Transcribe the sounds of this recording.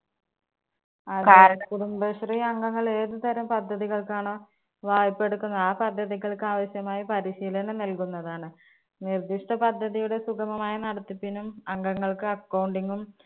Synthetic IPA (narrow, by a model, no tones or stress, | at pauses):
aːɾkaːɾɐɐkuɽumbɐɕriɐŋɡɐŋːɐɭe̞ːðɨt̪ɐɾɐmpɐd̪ʱːɐðiɣɐɭkaːɳoː | ʋaːjipːe̞ɽukːunːɐðaːpɐd̪ʱːɐðiɣɐɭkɨaːʋɐɕjɐmaːjipɐɾiɕiːlɐnɐnɐlkunːɐðaːɳɨ | nird̪iʂʈɐpɐd̪ʱːɐðijuɽe̞sukʰɐmɐmaːjɐnɐɽɐt̪ːipːinumɐŋɡɐŋːɐɭkɨɐkːɐwɳɖiŋɡum